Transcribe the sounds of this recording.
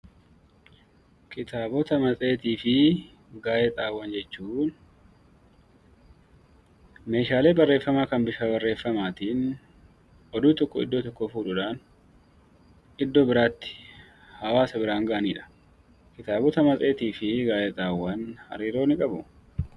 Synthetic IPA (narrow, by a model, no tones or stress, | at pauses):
kʰɪt̪ʰaːbɔt̪ɐmɐt͡sʼe̞ːt̪iːfɪ | ɡaːjɛt̪ʼaːwːɐnd͡ʒɛt͡ʃːuːn | me̞ːʃaːle̞ːbɐrːe̞ːfːɐmaːkɐnbɪʃaːbɐrːe̞ːfːɐmaːt̪iːn | ʔɔd̪uːt̪ɔkːɔɪ̰d̪ːɔt̪ɔkːɔfuːᶑʊᶑaːn | ʔɪd̪ːɔbɪɾaːt̪ːɪ̥ | hɐwaːsɐbɪɾaːŋɡɐʔɐniːᶑɐ̥ | kɪt̪aːbɔt̪ɐmɐt͡sʼe̞ːt̪iːfɪɡaːʔɛt̪ʼaːwːɐnhɐ̰ɾiːɾo̞ːnɪkʼɐbʊ